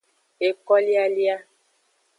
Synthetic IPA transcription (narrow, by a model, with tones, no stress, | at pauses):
e˨kɔ˦li˦a˦li˦a˦